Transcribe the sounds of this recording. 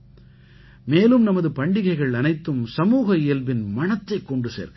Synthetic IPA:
meːlɯmnɐmɐðɯpɐɳɖɪɣɐɪɣɐɭɐnɐɪt̪ːɯmsɐmuːɣɐɪjɐlʋɪnmɐɳɐt̪ːɐɪkːɔɳɖɯsḛːɾ

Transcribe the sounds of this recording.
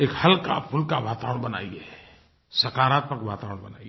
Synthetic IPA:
eːkhɐlka̰pʰʊlkaʋaːt̪aːʋəɳ̃bɐna̰ːiɛ | sɐkaːɾaːt̪̚məkʋaːt̪aːʋəɽ̃bɐnaːi

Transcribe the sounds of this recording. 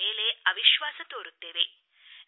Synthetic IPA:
eːleɐʋiʃʋaːsɐt̪oːɾut̪ːeːʋe

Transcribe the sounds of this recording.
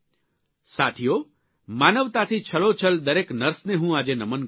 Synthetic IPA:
sat̪ʰijo | manəʋt̪at̪ʰit͡ʃʰəɭot͡ʃʰəld̪əɾeknəɾsneɦũad͡ʒenəmən

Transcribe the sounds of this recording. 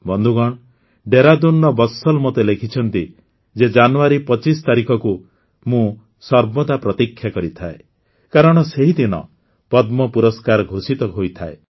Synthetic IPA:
bɔnd̪ʱuɡɔɽ̃ | ɖeɾad̪unːɔbɔsɔlmot̪elekʰit͡ʃʰɔnt̪i | d͡ʒed͡ʒanuaɾipɔt͡ʃist̪aɾikʰɔku | mũ | sɔɾbɔd̪apɾɔt̪ikʰːjakɔɾit̪ʰae | kaɾɔɽ̃ɔseɦid̪inɔ̰ | pɔd̪mɔpuɾɔskaɾɡʱosit̪ɔɦojt̪ʰae

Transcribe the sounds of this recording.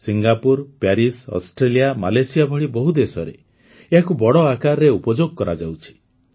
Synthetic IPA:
siŋɡapuɾpjaɾisɔ̰sʈɾelijamalajsijabʱɔɽibɔɦud̪esɔɾḛ | eɦakubɔɽɔakaɾɾeupɔd͡ʒoɡɔkɔɾa̰d͡ʒawt͡ʃʰi̥

